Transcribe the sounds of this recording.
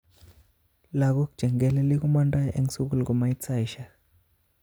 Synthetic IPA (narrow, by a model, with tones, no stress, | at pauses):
la˨k̬ɔ˦ku̥ʒ̥ʱɛ˨ŋɡɛ˨lɛ˦li˦k̬u˦ma˦nda˦jʔe˦ŋ˦su˦k̬u˦lk̬u˨ma˦i˦t͡sʰa˦˨jʃa˨